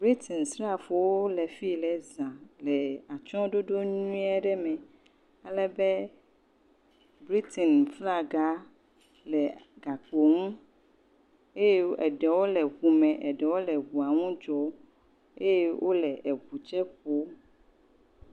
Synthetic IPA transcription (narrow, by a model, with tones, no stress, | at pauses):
bɾi˦t̪ʰɛ˨nsɾa˦˨fo˨wo˦lɛ˨fi˦lɛ˨zã˨lɛ˨a˨t͡ʃɔ̃˦ɖo˦ɖo˦ɲũ˦ɛ˦ɖɛ˦mɛ̃˨ | a˨lɛ˨bɛ˦ | bɾi˦t̪ɛ˨nfla˦ɡa˦ | lɛ˨ɡa˨k͡po˨ŋũ˦ | e˦jɛ˦ɛ˨ɖɛ˨wo˦lɛ˨ɣu˨mɛ̃˨ʔɛ˨ɖɛ˨wo˦lɛ˨ɣu˨a˨ŋũ˦d͡ʒɔ˨ | e˦je˦wʔo˦lɛ˨ʔɛ˨ɸu˨t͡ʃɛ˦ɸo˦